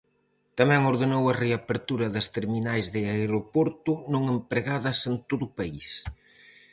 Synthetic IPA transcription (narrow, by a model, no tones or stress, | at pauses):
t̪ɐmɛŋoɾðenowɐreapeɾt̪uɾɐðɐst̪eɾminajzðɪaeɾopoɾt̪ʊnõŋempɾeɣaðɐsent̪oðʊpais